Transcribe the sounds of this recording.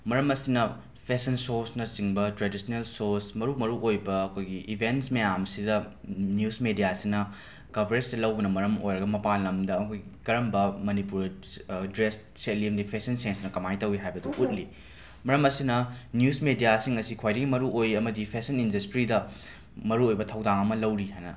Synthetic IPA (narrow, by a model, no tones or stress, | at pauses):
mɐɾɐmɐsinɐ | pʰesɐnsoɾsnɐsiŋbɐtɾedisnelsoɾsmɐɾumɐɾuʔojbɐːkʰojɡiʔibʱensmejamsidɐnjusmedijasiŋnɐ | kɐbʱɾesdɐlɐwbɐnɐmɐɾɐmo̰jɾɐɡɐmɐpanlɐmdɐkʰojɡikɐɾɐmbɐmɐnipuɾdɾes | set̚limdipʰesɐnsensnɐkɐmajtɐwiɦajbɐduʔut̚li | mɐɾɐmɐsinɐnjusmedijasiŋɐsikʰwajɾɐɡimɐɾuʔojɐmɐdipʰesɐnindɐstɾidɐ | mɐɾuojbɐtʰɐwdaŋɐmɐlɐwɾiɦajnɐ